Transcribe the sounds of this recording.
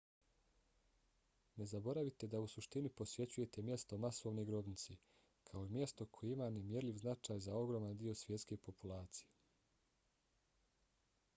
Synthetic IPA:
ne̞zabo̞ɾaʋit̪e̞d̪ausuʃt̪inipo̞sʋje̞t͡ɕuje̞t̪emje̞st̪o̞masoʋnoɡɾo̞bnit̪si | kʰao̞imje̞st̪o̞kʰo̞jeimane̞mje̞ɾlʲiʋznat͡ʃaːjzao̞ɡɾo̞ːmand̪io̞sʋje̞t̪ske̞po̞pulˠaːt̪sije

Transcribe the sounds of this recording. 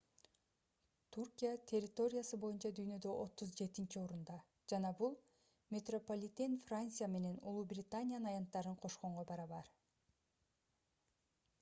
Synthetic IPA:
t̪ʰurkʲijat̪ʲʰe̞rʲːɪt̪o̞ɾʲɪjasɯbo̞junt͡ʃɑd̪yjnø̞d̪ø̞ʔo̞t̪ːuzd͡ʒe̞t̪int͡ʃio̞ɾund̪ɑ | d͡ʒɑnɑbulˠ | mʲet̪ro̞polʲit̪ʲenfrant̪sɨjame̞ne̞nṵlˠubrʲɪt̪anʲijannɑjɑnt̪ːɑɾɯɴqʰo̞ʃqo̞ɴʁo̞bɑɾɑβɑɾ

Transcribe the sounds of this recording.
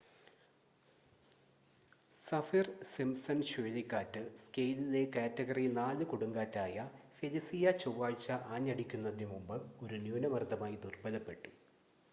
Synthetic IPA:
sɐfirsimsɐnɕuːlikːaːtːɨskejlile̞kaːtːɐɣɐrinaːlɨkuɽuŋɡaːtːaːjɐfelisijɐt͡ɕowːaːɻt͡ɕːɐʔaːɲːɐɽikʲːunːɐðinemumbɨo̞ɾunjuːnɐmɐrd̪ʱɐmaːjid̪urbɐlɐpːe̞ʈːu̥

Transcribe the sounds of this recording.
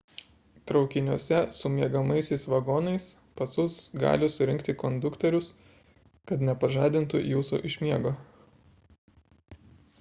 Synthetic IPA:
t̪ɾɒʊkʲɪnʲuɔsʲɛsʊmʲiɛɡɐmɐɪsʲɛɪsʋɐɡɔːnɐɪs | pɐsʊsɡɑ̰ːlʲɪsʊɾʲɪŋʲkt̪ʲɪkɔnd̪ʊkt̪ʲɛɾʲʊs | kɐt̪nʲɛpɐʒɑːd̪ʲɪnt̪ʊ̰juːsṵːʔɪʃʲmʲiɛɡoː

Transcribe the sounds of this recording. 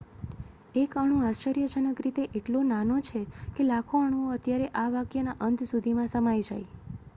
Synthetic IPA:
ekəɽ̃ũast͡ʃəɾijəd͡ʒənəkɾit̪eʔeʈlonanot͡ʃʰekelakʰoəɽ̃uoət̪jaɾeʔaʋakjənaʔənd̪sud̪ʱimãsəmajd͡ʒaj

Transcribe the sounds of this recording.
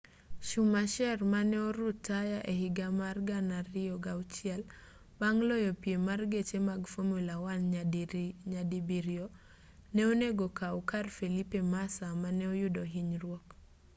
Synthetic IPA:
ʃumaʃɛrmanɛɔɾʊtːajaʔehɪɡamarɡanarɪɔɡawt͡ʃɛl | baŋlɔjɔpiemarɡet͡ʃemaɡfomulawan | ɲadibiɾjɔ | nɛoneɡɔkaukarfelipemasamanɛɔjʊdɔɦiɲrwɔk

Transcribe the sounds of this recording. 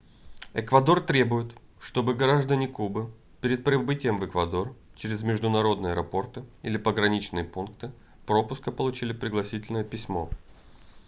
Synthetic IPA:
ɛkvɐd̪o̞rt̪ɾʲe̞bʊjɪt̪ | ʂt̪o̞bɨɡɐɾaʐd̪ənʲɪkubɨ | pʲɪɾʲɪt̪̚pɾʲɪbɨtʲɪjəmvɨkvɐd̪o̞rt͡ɕɪɾʲɪzmʲɪʐd̪ʊnɐɾo̞d̪nɨjəɐɛɾɐpo̞rt̪ɨilʲɪpəɡɾɐnʲit͡ɕnɨjəpunkt̪ɨ | pɾo̞pʊskəpəlˠʊt͡ɕilʲɪpɾʲɪɡlˠɐsʲitʲɪlʲnəjəpʲɪsʲmo̞̰

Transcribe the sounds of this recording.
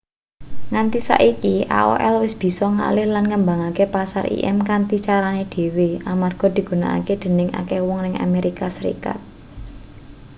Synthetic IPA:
ŋant̪isa̰ʔikiʔa̰o̰ʔɛlwɪsb̥i̤sɔŋa̰lɪhlanŋəmba̤ŋakepasarʔḭʔɛ̰mkant̪it͡ʃaɾaneɖ̪̥e̤weamarɡ̥ɔ̤d̪̥i̤ɡ̥ṳna̰a̰ked̪̥ə̤nɪŋa̰kewɔŋnɪŋa̰meɾikasəɾḭka̰t̪̚

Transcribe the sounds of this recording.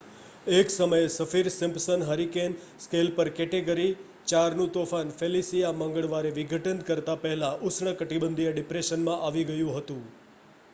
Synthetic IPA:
eksəməjesəfiɾsɪmpsənɦəɾiken | skelpəɾkɛʈeɡəɾi | t͡ʃaɾnũt̪ofanfelisijaməŋɡəɭʋaɾeʋiɡʱəʈənd̪kəɾt̪apəɦɛlãʔʊsɳəkəʈibənd̪ʱijeɖɪpɾeʃənmãʔaʋiɡəjũɦət̪ũ

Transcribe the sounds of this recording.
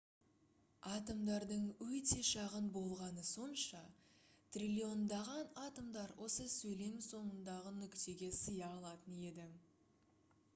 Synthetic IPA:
ɑt̪əmd̪ɑɾd̪əɴwɵt̪e̞ʃɑʁənbo̞lˠʁɑnəso̞nʃɑt̪rʲilʲio̞nd̪ɑʁɑnɑt̪əmd̪ɑɾwʔo̞səsɵjle̞mso̞nənd̪ɑʁənʏkt̪e̞ɡʲe̞səjɑːlˠɑt̪əne̞d̪ɪ

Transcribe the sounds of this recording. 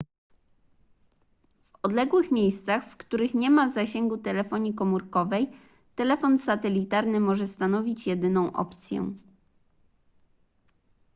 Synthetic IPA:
v | ɔd̪lɛɡwɘxmʲjejst̪saxfkt̪uɾɘxɲɛmazaɕeŋɡut̪ɛlɛfɔɲikɔmuɾkɔvɛj | t̪ɛlɛfɔnsat̪ɛlʲit̪aɾnɘmɔʐɛst̪anɔvʲit͡ɕjɛd̪ɘnɔ̃w̃ʔɔ̰pt̪sʲjɛ̰̃

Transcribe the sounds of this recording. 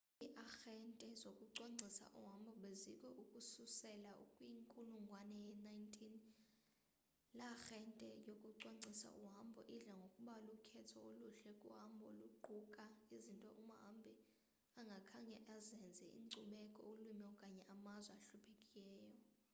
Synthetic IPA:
iʔaxɛntʼɛzokʼuǀoŋ͡ǀʱisa̰ʔuɦambʱɔɓezikʼʰɔʔukʼususɛlaṵkʼwiŋkʼuluŋɡʱwanɛjɛnaintʰin | laxɛntʼɛjokʼuǀoŋ͡ǀʱisa̰ʔuɦambʱɔ̰ʔiɮaŋɡʱokʼuɓalukʰɛtʰɔoluɬɛkʼuɦambʱɔluɡ͡ǃʱukʼaizintʼɔʔumɦambʱi | aŋɡʱakʰaɲɛʔazɛnd͡zʱɛḭǀuɓɛkʼɔ̰olumiɔkʼaɲɛʔamazwɛaɬupʰekʼilɛːjɔ

